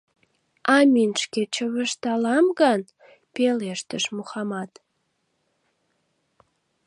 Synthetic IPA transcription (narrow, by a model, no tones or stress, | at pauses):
ɑmʲinʃket͡ɕəβəʃt̪ɑlɑmɣɑn | peleʃt̪əʃmuxɑmɑt̪